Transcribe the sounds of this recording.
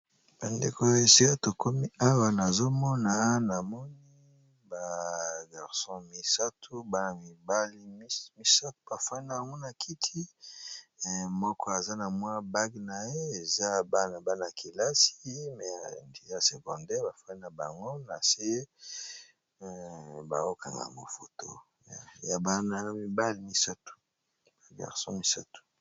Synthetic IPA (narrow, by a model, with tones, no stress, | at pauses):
b̥a˨nde˨ko˦e˨si˦ka˦to˨kʰo˦mi˦ʔa˦wa˨na˨zo˦mɔ˦na˨na˨mɔ˦ni˦ | ba˨ɡa˨ʁsɔ̃˦mi˨sa˦tʰu˦ba˦na˨mi˨ba˦li˦mi˨sa˦tu˦ba˨fa˦ni˦na˨ba˨ŋɡo˦na˨kʰi˦tʰi˦˨ | mɔ˦kɔ˦a˨za˦na˨mwa˦ba˦ɡna˨je˦e˨za˦ba˦na˨ba˦na˨ki˨la˦si̥˦mɛ˨ndi˦a˨se˨kɔ˨ndɛ˦ba˨fwa˦ni˦na˨ba˨ŋɡo˦na̰˨se˦ | ba̰˨ŋɡo˦ka˨ŋɡa̰˨ma̰˨fo˨to̰˦ | a˨ja˨ba˦na˦mi˨ba˦li˦mi˨sa˦tu̥˨ | a˨ɡa̰˨ʁsɔ̰̃˦mi˨sa˦tu̥˨